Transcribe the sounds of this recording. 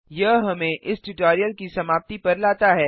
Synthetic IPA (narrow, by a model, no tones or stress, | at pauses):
jɐɦɦɐmẽʔɪsʈɪʈoːɾijəlkisɐmaːp̚t̪ipɐɾlaːt̪aɦɛː